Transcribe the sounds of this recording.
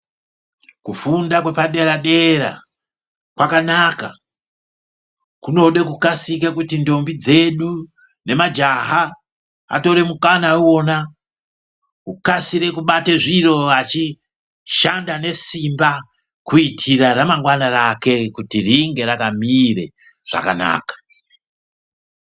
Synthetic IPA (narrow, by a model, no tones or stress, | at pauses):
kufundakwe̞paɗe̞ɾaɗe̞ɾa̰ | kwakanaka | kuno̞ɗe̞kukasikekutindo̞mbid͡ze̞ɗu | ne̞mad͡ʒaɦa | a̰to̞ɾe̞mukanauo̞na | kukasiɾe̞kuɓateʐiro̞at͡ʃi | ʃandane̞simba | kuitʰiraramaŋɡwanarake̞kutiriŋɡe̞ɾakamire̞̰ | ʐ̥a̰kana̰ːkḁ